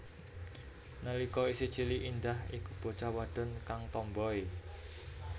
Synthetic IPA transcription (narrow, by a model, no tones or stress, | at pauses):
nəlikɔisit͡ʃiliʔind̪ahikub̥o̤t͡ʃawaɖ̪̥ɔ̤nkaŋt̪ɔmbɔi